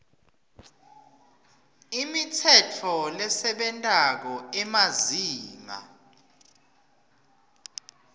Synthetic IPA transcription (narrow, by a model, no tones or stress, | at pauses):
imitʰɛtʰɔlɛsɛɓɛntʼak̬ɔɛmaziːŋa̰